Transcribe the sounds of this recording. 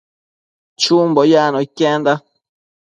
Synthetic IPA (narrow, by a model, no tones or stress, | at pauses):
t͡ʃumbɔjaːnɔikːɛnd̪a